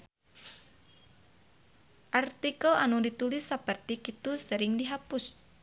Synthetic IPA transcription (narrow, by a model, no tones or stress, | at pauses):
ʔart̪ikəlanudit̪ulɪsːəpərt̪ikit̪usəɾɪŋdiɦapʊs